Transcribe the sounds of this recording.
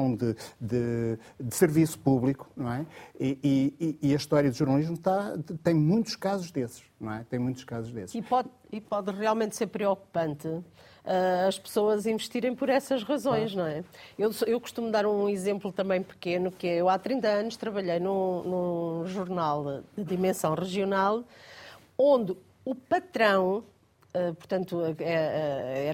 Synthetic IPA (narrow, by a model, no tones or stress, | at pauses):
ɐ̃w̃d̪ɨd̪ɨ | d̪ɨsɨɾvisu̥puβlˠiku̥nɐ̃w̃ɛiiiːɐʃt̪ɔɾjɐðuʒuɾnɐlˠiʒmut̪at̪ɐ̃j̃mũj̃t̪u̥ʃkazuʒd̪esʃnɐ̃w̃ɛt̪ɐ̃j̃mũj̃t̪u̥ʃkazuʒðesʃipɔð | ipɔðʁialˠmẽnt̪seɾpɾiɔku̥pɐ̃nt̪ɨ | ɛɐʃpɨ̥soɐzĩvɨʃt̪iɾɐ̃j̃pɔɾɛsɐʒʁɐzõj̃ʃnɐ̃w̃ɛewsewku̥ʃt̪umd̪aɾũizẽmplˠut̪ɐ̃mbɐ̃j̃pɨ̥kenukɨɛewat̪ɾĩnt̪ɐɐnuʃt̪ɾɐβɐʎejnũnũʒuɾnalˠd̪ɨðimẽsɐ̃w̃ʁɨʒiunalˠ | õnd̪ɨ | upɐt̪ɾɐ̃w̃ | ɛpuɾt̪ɐ̃nt̪uɛɛɛ